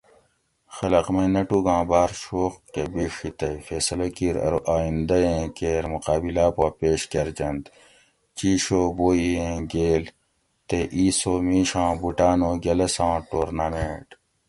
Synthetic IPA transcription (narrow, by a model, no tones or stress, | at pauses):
xɐlɐqmɐnɐʈuɡãːbaːɾʃoːqkebiʂit̪ɐifeːsɐlɐkiːɾɐ̰ɾuʔaːĩnd̪ɐjẽːkeːɾmuqaːbilaːpãːpeːɕkɐɾd͡ʑɐnd̪ | t͡ɕiːʃoːboːiẽːɡeːl | t̪eʔiːsoːmiːʃãːbuʈaːnoːɡɐlɐsãːʈoːɾnamẽːʈ